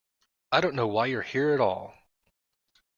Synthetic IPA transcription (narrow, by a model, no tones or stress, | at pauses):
aɪɾõʊ̃nːoʊwaɪjə˞hiɹɨɾɔ̰lˠ